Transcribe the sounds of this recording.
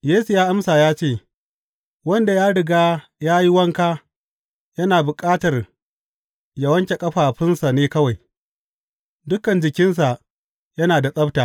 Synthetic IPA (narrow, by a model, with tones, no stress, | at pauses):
jeː˦su˨jaː˦ʔa˦msaː˨jaː˦t͡ʃeː˦˨ | wɐ˦nda˨jaː˦ɽɪ˨ɡaː˦jaː˦ji˦wɐ˦ŋkaː˦ | jɐ˦naː˨bʊ˨kʼaː˦tɐ˨r | jɐ˨wɐ˦ŋkʲe˨kʼɐ˦ɸaː˨ɸɪ˦nsa˨neː˦kɐ˦wa˨j | dʊ˦kɐ˨nd͡ʒɪ˨kʲɪ˦ns̬a˨ | jɐ˦naː˨da˨sʼɐ˦btaː˨